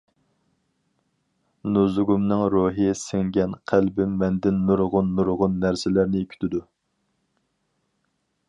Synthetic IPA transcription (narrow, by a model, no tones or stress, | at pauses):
nuzɡumnɨŋɾuɦɨsɪŋɡʲɛnqʰælbɪmːɛnd̪ɪnːuɾʁʊnːuɾʁʊnːæɾsɪlæɾnɪkʲʰy̥t̪ʰɪd̪u